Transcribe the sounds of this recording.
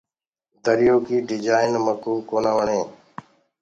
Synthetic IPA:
d̪əɾɪjoːkiːɖɪd͡ʒaːɪnməkuːkoːnaːʋəɳeː

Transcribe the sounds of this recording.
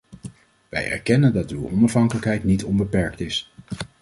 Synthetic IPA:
ʋɛ̰jɛ̰ɹkɛnəndɑtywɔ̰nɑfɦɑŋkələkɦɛjtnitɔnbəpɛɹktɪs

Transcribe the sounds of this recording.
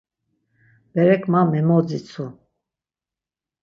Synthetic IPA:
b̥ɛɾɛkʰmamɛmɔd͡zit͡sʰu

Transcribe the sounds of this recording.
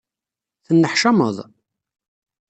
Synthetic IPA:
θənːəħʃɑməðˤ

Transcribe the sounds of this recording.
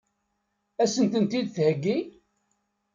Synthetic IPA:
æsənt̪ənt̪id̪θhəɡːi

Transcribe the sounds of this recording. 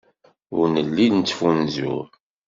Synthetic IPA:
ʊɾnəlːidnt͡sːfunzʊ̰

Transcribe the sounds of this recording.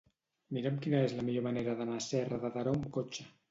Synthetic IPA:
miɾemkinaezlamiʎomaneɾaðanaːsɛraðaðaɾaumkot͡ʃe

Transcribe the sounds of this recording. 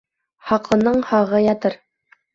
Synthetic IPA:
hɑqlˠɤ̆nɤɴhɑʁɤjɑt̪ɤɾ

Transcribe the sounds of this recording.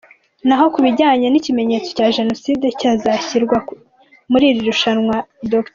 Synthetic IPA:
naɦo̞kuβiɟaːɲenicime̞ɲe̞ːt͡so̞caːʒe̞no̞siːdecaːzaçiɾɡwa | muɾiːɾiɾuʃanŋwadokt

